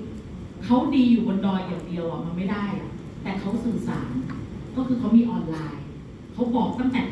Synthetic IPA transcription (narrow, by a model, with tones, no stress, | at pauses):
kʰa˦˥wdiː˧juː˨˩ko˧ndɔː˧˩jːaː˨˩ŋdi˧əwlɔ˨˩ma˧nma˥˩jdaː˥˩jʔa˨˩ | t̪ɛː˨˩kʰa˦˥wsɯː˨˩sa̰ː˩˦nkɔː˥˩kʰɯː˧kʰa˦˥wmiː˧ʔɔː˧nlaː˧j | kʰa˦˥wbɔː˨˩k̚t̪a˥˩ŋt̪ɛː˨˩